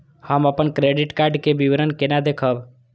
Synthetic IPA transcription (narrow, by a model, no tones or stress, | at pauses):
həməpənkɾeɖiʈkaɾɖkebiʋɾənkenad̪ekʰəb